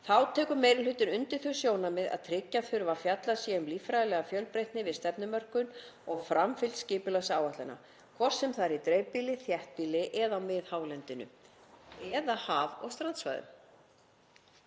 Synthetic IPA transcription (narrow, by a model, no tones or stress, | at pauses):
θawt̪ʰɛːkʏmeːjɾɪlʏt̪ɪnʏnt̪ɪɾ̥θœ̥sjoːwnamɪða̰ðt̪ʰɾɪcːaθʏɾvafjat̪lasjɛʏmliːfɾajðlɛɣafjœlpɾejht̪nɪvɪðst̪ɛpnʏmœr̥kʏnɔɣfɾamfɪlscɪːpʏlasaːwaht̪lanːa̰ | kʰvɔr̥sɛmθaɾit̪ɾejɥpiːlɪθjɛht̪̚piːlɪʔɛðamɪðhaːwlɛnt̪ɪnʏ̰ | ɛðahaːvɔ̰ɣst̪ɾant̪sva̰jðʏ̰m